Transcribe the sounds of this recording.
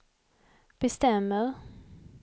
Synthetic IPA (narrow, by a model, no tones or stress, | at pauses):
b̥ɛst̪ɛmːəɾ